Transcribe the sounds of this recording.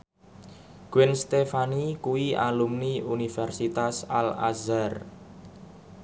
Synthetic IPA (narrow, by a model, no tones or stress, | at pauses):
ɡ̥wɛnst̪efanikuwia̰lumniunifɛrsit̪asa̰la̰zar